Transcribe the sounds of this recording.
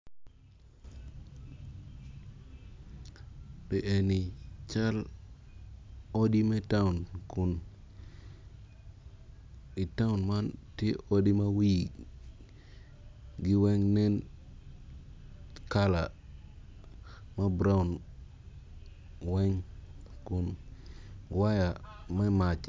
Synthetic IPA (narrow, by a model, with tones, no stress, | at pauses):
ɗi˨ʔe˨ni˨t͡ʃa˦l | o˦ɗi˦me˦ta˦u˨nku˨n | ɗi˨ta˦u˨nma˦nti˦ʔo˦ɗi˦ma˦wi˦˨ | ɡi˨we˦ŋne˦n | ka˦la˨ | ma˦bɾa˦u˨n | we˦ŋku˨n | wa˦ja˨ma˦ma˨t͡ʃ